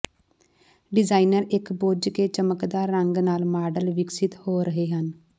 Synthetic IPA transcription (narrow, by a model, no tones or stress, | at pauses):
ɖɪzaːinəɾɪkboːd͡ʒkeːt͡ʃəməkd̪aːɾːəŋɡnaːlmaːɖəlʋɪksɪt̪hoːɾəɦeːɦən